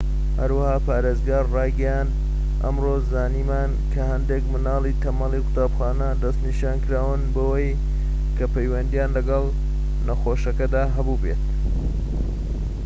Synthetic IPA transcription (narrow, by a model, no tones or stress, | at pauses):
hɐɾwahaːpaːɾezɡaːrrɑːjɡɐjaːnd̪ | ʔɐ̰mrozaːniːmaːn | kʰɐhɐnd̪ekmɨnɑːlˠit̪ʰɐmɐlikʊ̥t̪aːbxaːnɐd̪ɐst̪niʃaːnkɨɾaːwɨnbɐwɐj | kʰɐpɐjwɐnd̪ijaːnlɐɡɐlˠ | nɐxoːʃɐkɐd̪aːɦɐbuːbḛt̪